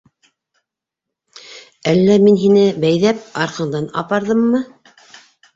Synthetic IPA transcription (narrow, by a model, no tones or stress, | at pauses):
ælːæminɦinɘbæjðæp̚ɑɾqɤ̆ɴd̪ɑnɑ̰pɑɾðɤmːɤ